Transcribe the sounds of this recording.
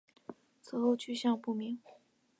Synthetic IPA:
t͡s̩ʰ˨˧˥xo˥˧ʊt͡ɕʰy˥˧ɕjɑ˥˧ŋpu˥˩mi˧˥ŋ

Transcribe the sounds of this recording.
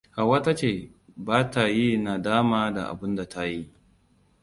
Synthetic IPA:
ha˨wɐ˦ta˦t͡ʃeː˨ | baː˦ta˨ji˦na˨daː˦maː˦da̰˨ʔa̰˨bʊ˦nda˨tʰa˦ji˦

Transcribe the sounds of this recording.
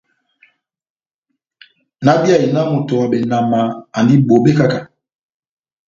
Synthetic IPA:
na˦ɓi˦a˨i˨na˦mu˨tɔ˨wa˨ɓɛ˨na˨maː˨ndi˦ɓo˨ɓɛ˦ka˦ka˨

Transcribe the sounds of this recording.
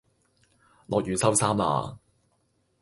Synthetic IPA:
lʔɔ̰ː˨˧k̚jyː˨sɐ˥wsaː˥ma̰ː˨˧

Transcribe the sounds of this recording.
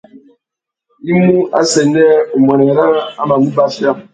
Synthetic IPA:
i˦mu˦a̰˦sɛ˨nɛ˦o˨m˨ɛ˨nɛ˨ɾa˦a˦ma˨mu˦ba˦fja˦˨m

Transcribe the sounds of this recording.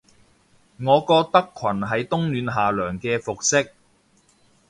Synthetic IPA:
ŋɔː˨˧kɔː˧t̪ɐ˥kʷʰwɐ˨˩nɦɐ˨jt̪ʊ˥ŋlyː˨˧nɦaː˨lœː˨˩ŋkɛː˧fʊ˨k̚sɪ˥k̚

